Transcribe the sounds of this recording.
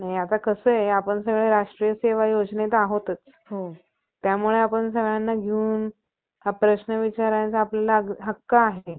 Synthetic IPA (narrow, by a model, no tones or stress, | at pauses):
naɦiat̪akəsəapəɳsəɡɭeɾaʂʈɾijəseʋajod͡znet̪aɦot̪ət͡s | ɦo | t̪jamuɭeapəɳs̬əɡɭanːaɡʱeuːn | ɦapɾəɕnəʋit͡ɕaɾant͡saːpljalaɡɦəkːaːɦee